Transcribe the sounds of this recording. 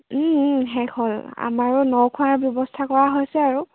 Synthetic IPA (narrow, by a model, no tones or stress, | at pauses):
ɦɛkʰɔla̰maɹʊnɔwkʰuaɹbjɔbɔstʰakɔɹaɦojsɛaɹu